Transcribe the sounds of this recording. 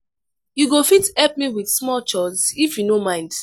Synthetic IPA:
juɡofitɛp̚miwidsmɔlt͡ʃɔsifjunomãɪ̃nd

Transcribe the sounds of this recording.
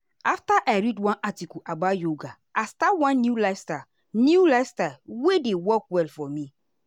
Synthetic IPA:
aftaʔaɪɾidwãnʔatikɔʔabajoɡa | astawãnːjulasta | njulaɪstawedewɔkwɛlfɔmi

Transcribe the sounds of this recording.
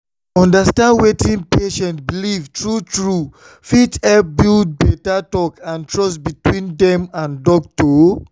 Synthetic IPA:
ɔ̃ndastãndwetĩnpeʃɛ̃ntbilivtʰɹutɹu | fitɛp̚bild̚bɛtatɔkãntɹɔsbitwĩndɛ̃mãndɔk̚to

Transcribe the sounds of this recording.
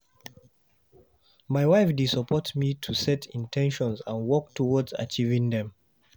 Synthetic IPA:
maɪwaɪfdisɔpʰɔtmitʰusɛtʰĩntʰɛ̃nʃɔ̃nzãnwɔk̚tʰɔwɔdza̰t͡ʃivɪ̃ŋdɛ̃m

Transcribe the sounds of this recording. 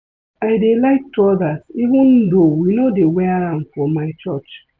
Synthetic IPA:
aɪdelaɪk̚tuɔdativũndowinodeweaɾãnfɔmaɪt͡ʃɔt͡ʃ

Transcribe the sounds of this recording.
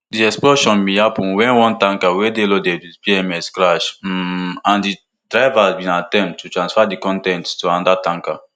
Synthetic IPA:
diɛksplɔʃɔ̃nmijapũwɛ̃nwɔ̃ntãŋkawedelodɛdispiɛmɛskɾaʃm̩ãndi | dɾajvazbĩnatɛ̃mtut̪ɾãnsfadikɔ̃ntɛ̃nttuãndatãŋka

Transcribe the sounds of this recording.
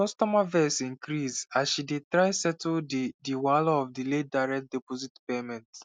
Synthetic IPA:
kɔstɔmavɛsĩŋkɾizasʃidetɹaɪsɛtddiwaloɔfdiledaɪɹɛk̚dɛpozitpemɛ̃nt

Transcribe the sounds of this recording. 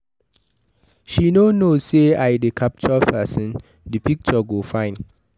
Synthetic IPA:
ʃinonoseajdekʰap̚t͡ʃɔfɛsɛ̃n | dipik̚t͡ʃɔɡofãɪ̃n

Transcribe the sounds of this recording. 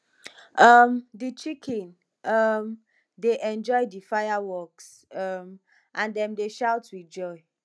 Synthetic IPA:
ʌmdit͡ʃikʰĩn | ʌm | deʔɛ̃nd͡ʒɔɪdifajawɔks | ʌm | ʔãndɛ̃mdeʃaʊtwid͡ʒɔɪ

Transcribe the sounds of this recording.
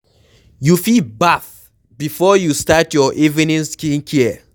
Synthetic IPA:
jufilbaf | bifɔjustatjɔʔivinĩnskĩŋkʰiə

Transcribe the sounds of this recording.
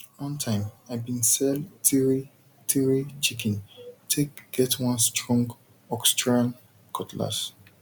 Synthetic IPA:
wɔ̃ntʰãɪ̃maɪbĩnsɛltʰiɹi | tʰiɹit͡ʃikʰɛ̃ntʰekɡ̥ɛtwãnstɹɔ̃ŋɡ | ɔkstɹãn | kʰɔtʰla̰s

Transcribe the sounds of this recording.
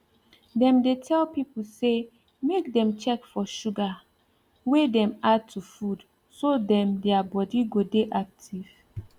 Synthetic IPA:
dɛ̃mdetʰɛlpipl̩se | mek̚dɛ̃mt͡ʃɛkfɔʃuɡa | wedɛ̃mad̚tʰufud | sodɛ̃mdɛabɔdiɡodeʔak̚tʰiv̥

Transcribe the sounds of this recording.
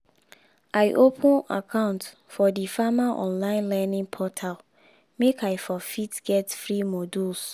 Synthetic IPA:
aɪʔopʰə̃na̰kʰãʊ̃nt | fɔdifamaʔɔ̰̃nlãɪ̃nlɛnĩŋpʰɔtʰal | mekʰaɪfɔfitɡ̥ɛtfɹimoduls

